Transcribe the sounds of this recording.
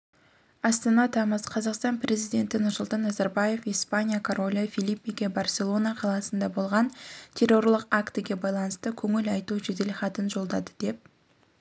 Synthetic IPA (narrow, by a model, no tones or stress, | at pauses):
ɑst̪ɑnɑt̪ʰɑməz̥qʰɑzɑqst̪ɑnpɾe̞zijd̪ʲe̞nt̪ɪnʊɾsulˠt̪ɑnːɑzɑɾbaje̞fijspanʲijakʰoɾo̞lʲafilʲˠipʲːijɡʲebarsʲe̞lˠo̞nɑqʰɑlˠɑsənd̪ɑbo̞lˠʁɑnt̪ʲʰe̞rːo̞rlˠəqakt̪ɪɡʲe̞bɑjlˠɑnəst̪əkʲʰɵŋɪlɑjt̪uʒed̪e̞lχɑt̪ənʒo̞lˠd̪ɑd̪əd̪e̞p̚